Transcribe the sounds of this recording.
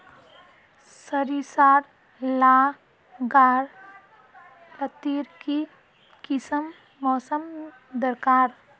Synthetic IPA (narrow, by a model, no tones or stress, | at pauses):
səɾisaːɾ | laː | ɡaːɾ | lət̪iːɾki | kɪsəmː | ɔːsəm | d̪əɾkaːɾ